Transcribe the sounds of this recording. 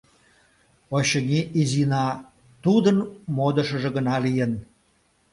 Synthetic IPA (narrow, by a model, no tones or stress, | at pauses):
oɕənʲiʔizinɑ | t̪ud̪ənmod̪ə̆ʃə̆ʒĕɣənɑlijən